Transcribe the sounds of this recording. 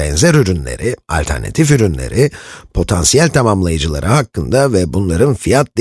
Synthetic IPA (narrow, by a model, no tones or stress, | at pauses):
ɛnzɛɾyɾynlʲḛɾʔɪa̰lʲt̪ʰæ̰ɾna̰t̪ʰifyɾynlʲe̞̰ɾʔipʰo̞t̪ʰansijælʲt̪ʰamamlˠajɯd͡ʒɯlˠa̰ɾʔɯɦakːɯnd̪avɛbunlˠaɾɯnfijat̪̚d̪